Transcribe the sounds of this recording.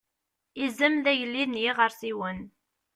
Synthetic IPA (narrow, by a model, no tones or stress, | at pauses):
izəmðæʝəlːinjiʁəɾθiwən